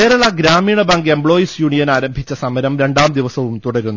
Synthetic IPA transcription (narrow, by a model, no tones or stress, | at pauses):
keːɾɐɭɐɡɾaːmiːɳɐbaːŋɡembɭo̞ːjisjuːɳijɐnaːɾɐmbʱit͡ɕːɐsɐmɐɾɐmɾe̞ɳɖaːmd̪iʋɐsɐʋumt̪uɽɐɾunːu